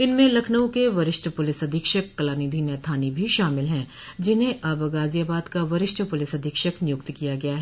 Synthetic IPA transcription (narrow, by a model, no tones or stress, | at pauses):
ɪnmẽlɐkʰnəwkeʋɐɾɪʃʈʰəpʊlɪsɐd̪ʱikʃəkːɐlaːniːd̪ʱinɛt̪ʰaːnibʱiʃaːmɪlɦɛ̃ | d͡ʒɪnɦẽʔɐbɐɡaːzijaːbaːd̪kaʋɐɾɪʃʈʰəpʊlɪsɐd̪ʱiːkʃəknɪjʊkt̪kijaɡɐjaɦɛː